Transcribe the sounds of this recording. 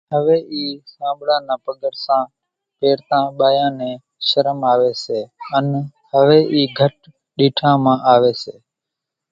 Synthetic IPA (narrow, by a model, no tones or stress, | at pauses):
ɦəʋeːʔiːsãːbɽãːnãːpəɡəɽsãː | peːɽt̪ãːɓaːjãːnẽː | ʃəɾəmaːʋeːseːən | ɦəʋeːʔiːɡʱəʈ | ɗiːʈʰãːmãːʔaːʋeːseː